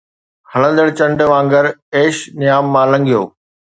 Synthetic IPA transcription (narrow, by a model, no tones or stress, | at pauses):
hɐl̃ə̃nd̪əɽt͡ɕɐ̃ɳɖʋãːŋɡəɾeːʃnɪjaːmːãːlɐ̃ŋɡijoː